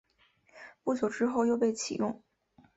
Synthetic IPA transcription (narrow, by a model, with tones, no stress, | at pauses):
pu˥˩t͡ɕʰjo˨˩ʊʈ͡ʂɻ̩˥xo˥˧ʊjo˥˧ʊpe˥˩ɪt͡ɕʰḭ˨˩jʊ˥˩ŋ